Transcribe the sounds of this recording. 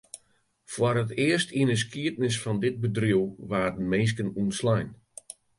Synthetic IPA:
fwɔɾətɪərstiənəs̬kʰiətnɪs̬fɔndɪt̚bədriəwʋaːdənmeːs̬kənuənslɛjn

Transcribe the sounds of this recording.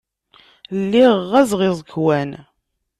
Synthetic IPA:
lːiʁːæzʁɪzˤəkːwæn

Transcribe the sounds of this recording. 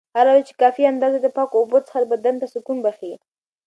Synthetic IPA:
halɑd̪at͡ʃe̥kɑfiand̪ɑzed̪əpɑkoːbot͡sə̥xad̪əbad̪ant̪asʊkunbaxei

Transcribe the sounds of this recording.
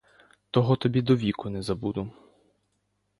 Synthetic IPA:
t̪ɔɦɔt̪ɔbʲid̪ɔʋʲikʊnɛzɐbud̪ʊ

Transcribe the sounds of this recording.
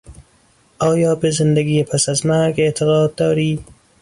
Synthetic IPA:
ɑːjɑːbezɪnd̪aɡiːepʰasazmaɾɡet̪ʰɪɣɑːd̪̚ːɒːɾiː

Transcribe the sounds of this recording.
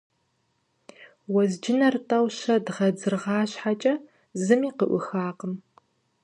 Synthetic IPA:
wɐzd͡ʒɪnɐrtʼɐwʃɐdʁɐd͡zɨrʁɑːɕħat͡ʃʼɐ | zɨmiːqə̰ʔʷʊ̰xaːqəm

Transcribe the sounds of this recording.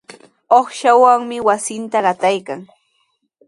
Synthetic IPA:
oχʃawaŋmɪwasɪnt̪aɢɑt̪ajkaŋ

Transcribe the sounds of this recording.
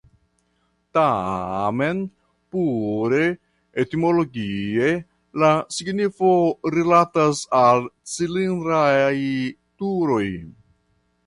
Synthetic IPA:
tame̞n | puɾe̞ | etimolo̞ɡie̞ | lasiɡnifo̞ɾilatasalt͡silinɾaj | tuɾo̞j

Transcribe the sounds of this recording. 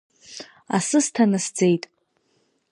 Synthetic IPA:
a̰sɨstʰanasd͡ze̞jtʼ

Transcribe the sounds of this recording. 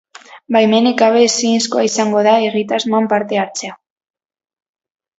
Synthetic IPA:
bajmenikaβesiːnskoaisaŋɡo̞ðaeɣit̪azmoampaɾt̪e̞aɾt͡sea

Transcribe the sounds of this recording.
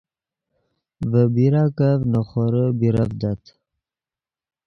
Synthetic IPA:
vəbiɾakavnaχoɾəbiɾavd̪at̪

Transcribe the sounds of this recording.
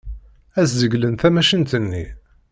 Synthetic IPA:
æzːəɡlənθæmæʃənt̪ənːi

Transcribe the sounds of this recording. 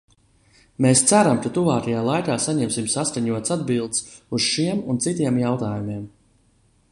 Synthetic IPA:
mest̪sæɾamkat̪uvaːkajaːlˠajkaːsaɲɛmsimsaskaɲuɔt̪sad̪̚bilˠd̪suz̥ʃiɛmunt̪sit̪iɛmjawt̪aːjumiɛm

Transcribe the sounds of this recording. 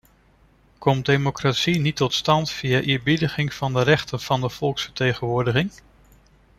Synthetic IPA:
kɔm̚demokratsinitɔtstɑntfijaʔɪːɹbidəχɪŋv̥ɑndərɛχtənv̥ɑndəv̥ɔlˠksfə̥ɹtejχənʋʊːɹdəχɪŋ

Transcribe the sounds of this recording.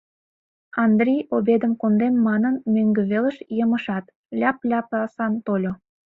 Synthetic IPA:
ɑnd̪rʲijobed̪ə̆mkond̪emːɑnənmøŋɡø̆βelə̆ʃjəmə̆ʃɑt̪ | lʲɑplʲɑplɑsɑnt̪olʲo

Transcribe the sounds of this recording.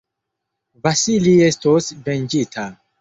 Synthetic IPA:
vasilie̞stosvend͡ʒitʰa

